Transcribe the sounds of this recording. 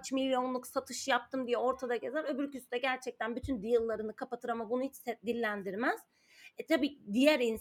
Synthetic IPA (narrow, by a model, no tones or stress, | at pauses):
t͡ʃmilʲjo̞nlˠuksat̪ʰɯʃɯjap̚t̪ʰɯmd̪ijɛo̞ɾt̪ʰad̪aɟe̞zæɾø̞byɾcysyd̪ɛɟæɾt͡ʃʰɛc̚t̪ʰænbyt̪ʰynd̪ijɯlˠːaɾɯnɯkʰapat̪ʰɯɾamabunuhit͡ʃsɛd̪ilʲːænd̪iɾmæz̥ | ɛt̪ʰabiːd̪ijɛɾin